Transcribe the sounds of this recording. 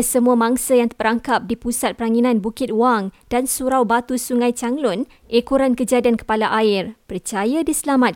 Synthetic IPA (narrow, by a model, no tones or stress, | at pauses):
səmuamãŋsəjaŋt̪əpəɾaŋkap̚dipusat̪̚pəɾaŋinãnbukɪt̪̚waŋdansuɾawbat̪usuŋãjt͡ʃaŋlʊn | ʔekuɾankəd͡ʒadiankə̥palaʔaɪrpərt͡ʃajadisəlamat̪̚